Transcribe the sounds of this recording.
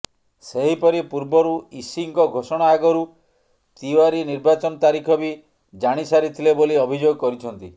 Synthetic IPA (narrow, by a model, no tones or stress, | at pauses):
seɦipɔɾipuɾbɔɾuisiŋkɔɡʱosɔɽ̃aːɡɔɾu | t̪iwaɾiniɾbat͡ʃɔnɔt̪aɾikʰɔbi | d͡ʒaɽ̃isaɾit̪ʰileboliɔbʱid͡ʒoɡɔkɔɾit͡ʃʰɔnt̪ḭ